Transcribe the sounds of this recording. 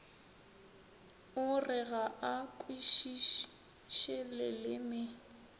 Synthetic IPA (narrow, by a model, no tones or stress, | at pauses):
ʊrɪɣaʔakʼwiʃ | ʃɛlɛlɪmɪ